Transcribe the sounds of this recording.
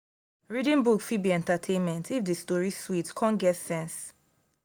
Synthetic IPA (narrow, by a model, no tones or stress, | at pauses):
ɹidĩnbukfid̚biɛ̃ntatʰẽnmɛ̃ntʰifdestɔɹiswitkʰɔ̃nɡɛtsɛ̃ns